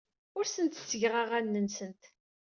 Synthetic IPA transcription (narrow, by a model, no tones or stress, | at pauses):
ʊɾsənt̪sːəʝʁaʁænːənsənt̪